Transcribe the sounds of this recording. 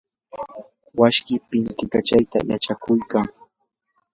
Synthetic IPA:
waʃkɪpɪnt̪ɪkat͡ʃajt̪a̰jat͡ʃakʊjkaŋ

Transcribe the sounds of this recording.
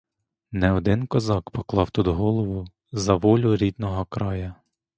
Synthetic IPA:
nɛɔd̪ɪnkɔzɑkpɔklˠɑwt̪ud̪ɔɦɔlˠɔʋʊ | zɐʋɔlʲʊɾʲid̪nɔɦɔkɾɑjɐ

